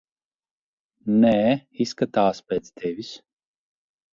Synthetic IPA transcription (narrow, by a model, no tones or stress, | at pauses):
nɛiskat̪aːspeːt̪sd̪ɛvʲis